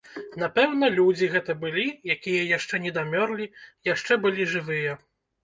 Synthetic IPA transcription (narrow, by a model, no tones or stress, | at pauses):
napɛwn̪ɐlʲud͡zʲiɣɛt̪ɐbɨlʲijakʲijɐjaʂt͡ʂɛnʲɛd̪amʲɔrlʲijaʂt͡ʂɛbɨlʲiʐɨvɨjɐ